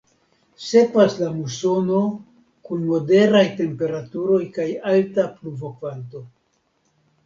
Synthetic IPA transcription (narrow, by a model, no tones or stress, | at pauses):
se̞paslamuso̞no̞ | kunmo̞de̞ɾajte̞mpe̞ɾatuɾo̞jkajaltapluvo̞kvanto̞